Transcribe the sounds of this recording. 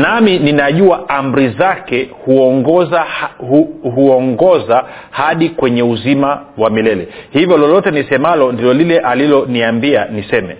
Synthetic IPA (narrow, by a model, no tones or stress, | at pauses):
namininaʄuaam̩ɾizakɛhuɔŋɡɔza | ɦuɔŋɡɔza | haɗikwɛɲɛuzima | wamilɛlɛhivjɔlɔlɔtɛnisɛmalɔndilɔlilɛʔalilɔniambianisɛmɛ̰